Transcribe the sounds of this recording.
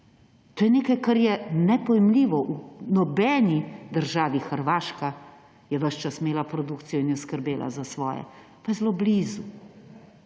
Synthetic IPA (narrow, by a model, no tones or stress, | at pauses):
t̪oːjɛneːkajkaɾjɛnɛpɔjɛmliːʋɔʔunɔbɛːnid̪əɾʒaːʋixəɾʋaːʃka | jɛʋəʃt͡ʃasmeːlapɾɔd̪ukt̪sijɔinjɛɔskəɾbeːlʔa̰zasʋɔːjɛ̰ | pajɛzlobliːzu